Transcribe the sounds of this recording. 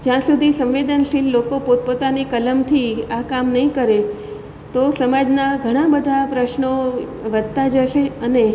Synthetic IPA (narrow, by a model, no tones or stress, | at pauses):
d͡ʒjãsud̪ʱisə̃mʋed̪ənʃilːokopot̪̚pot̪anikələmt̪ʰiakamnəɦĩkəɾe | t̪osəmad͡ʒnaɡʱəɽ̃ãbəd̪ʱapɾəʃnoʋəd̪̚t̪ad͡ʒəʃeəne